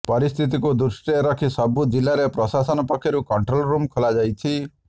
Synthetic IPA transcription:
pɔɾist̪ʰit̪̬ikud̪usʈeɾɔkʰisɔbud͡ʒilːaɾepɾɔsasɔnɔpɔkʰːjɔɾukɔɳʈɾɔlɾumkʰɔlad͡ʒajt̪ʰi

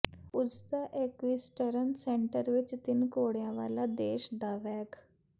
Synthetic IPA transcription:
ud͡zt̪aʔekʋisʈəɾənseɳʈəɾʋit͡st̪inkoɽjaʋa̰lad̪eɕd̪aʋɛk

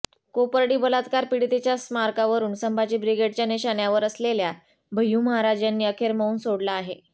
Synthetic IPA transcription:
kopəɾɽiːbəlat̪kaɾpiɽit̪et͡ɕjasmaɾkaʋəɾuːnsəmbʱat͡ɕiːbɾiɡeɽt͡ɕjaneɕanjaʋəɾəslelja | bʱəjuːməɦaɾad͡ʑjanːiːəkʰeɾməuːnsoɽlaːɦe

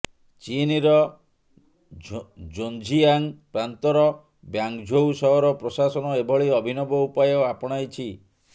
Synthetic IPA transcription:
t͡ʃiniɾɔ | d͡ʒond͡ʒʱiaŋpɾant̪ɔɾɔ | bjaŋkd͡ʒʱowsɔɦɔɾɔpɾosasɔnɔebʱɔɭiɔbʱinɔbɔupajɔapɔɽ̃ajt͡ʃʰi

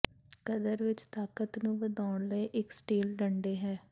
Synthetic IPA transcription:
kəd̪əɾʋɪt͡ʃt̪aːkət̪nũːʋəd̪aːʊɳləːʔɪksʈeːlɖəɳɖeːɦɛː

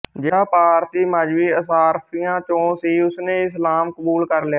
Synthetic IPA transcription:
d͡ʒɪaːpaːɾt̪iːməd͡ʒʋiːəsaːɾpʰiːjãːt͡ʃõːsiːʊsnẽːɪslaːmkəbuːlkəɾlɪjaː

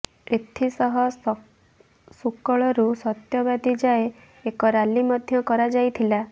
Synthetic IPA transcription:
et̪ʰisɔɦɔ | sukɔɭɔɾusɔt̪jɔbad̪id͡ʒae | ekɔɾalimɔd̪ʱjɔkɔɾad͡ʒajt̪ʰila

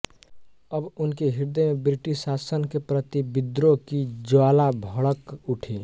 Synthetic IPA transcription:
əbʊnkeɦiɾd̪emebɾiʈisasənkepɾət̪ibid̪ɾokid͡ʒoaːlabʱəɭəkuʈʰe

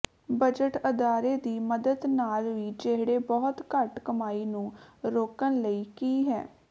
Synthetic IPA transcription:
bəd͡ʒəʈəd̪aːɾeːd̪iːməd̪əd̪naːlʋiːd͡ʒeɦɽeːbɔːt̪kəʈkəmaːiːnũːɾoːkənləiːkiːɦɛ̰ː

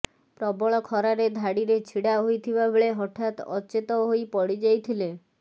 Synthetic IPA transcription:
pɾɔbɔɭɔkʰɔɾaɾed̪ʱaɽiɾet͡ʃʰiɽaɦojt̪ʰibabeɭeɦɔʈʰat̪ɔt͡ʃet̪ɔɦojpɔɽid͡ʒajt̪ʰile

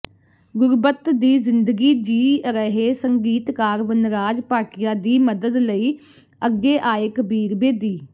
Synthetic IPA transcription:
ɡʊɾbət̪d̪iːzɪnd̪əɡiːd͡ʒiːɾəɦeːsəŋɡiːt̪kaːɾʋənɾaːd͡ʒpaːʈɪjaːd̪iːməd̪əd̪ləiː | əɡːeːʔaːeːkəbiːɾbeːd̪iː

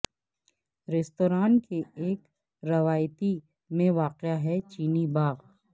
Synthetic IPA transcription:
ɾɛst̪oːɾaːnkeeːk | ɾɐʋaːjt̪i | mẽʋaːqjaɦɛt͡ʃiːnibaːɣ

